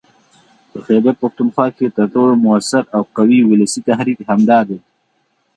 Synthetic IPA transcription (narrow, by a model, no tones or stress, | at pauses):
pəxebaɾpaxt̪unxwɑːket̪aʈ̪olmʊasaɾawqawiwʊləsit̪aɦɾiːkhamd̪ɑd̪e